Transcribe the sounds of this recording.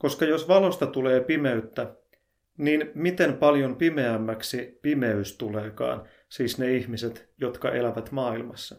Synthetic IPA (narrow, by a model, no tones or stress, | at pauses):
ko̞skɑjo̞sʋɑlo̞st̪ɑt̪ule̞ːpime̞yt̪ːæ | niːnmit̪e̞mpɑljo̞mpime̞æmːæksipime̞yst̪ule̞ːkɑ̰ːn | siːsneiçmiset̪jo̞t̪kɑ̰ʔelæʋæt̪mɑːilmɑsːɑ̥